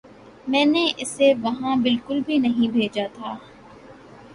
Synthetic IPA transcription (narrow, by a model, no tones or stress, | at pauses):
mɛ̃ːneʔɪseʋɐɦãbɪlkʊlbʱinɐɦĩbʱeːd͡ʒat̪ʰaː